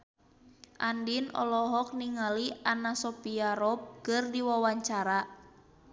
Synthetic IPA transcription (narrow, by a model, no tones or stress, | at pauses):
ʔandinɔ̰lɔɦɔk̚niŋalianasopiaɾɔp̚kɨrdiwawaɲt͡ʃaɾa